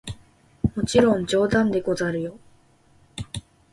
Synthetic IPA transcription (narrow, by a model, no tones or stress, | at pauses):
mo̞t͡ɕiɾõnɲd͡ʑo̞ːd̪ãnd̪e̞ko̞zaɾɯ̟jo